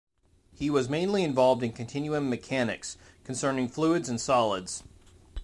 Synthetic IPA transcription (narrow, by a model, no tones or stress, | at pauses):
hiwʌzmẽɪ̃nliɨ̃ɱvɑlˠvdɨ̃nkʰɨ̃ntʰɪ̃njʉɪ̃ŋmɨkʰænɨ̰kskʰn̩sɜ̃˞nɪ̃ŋfluɨdzɨ̃n̩sɑlˠədz̥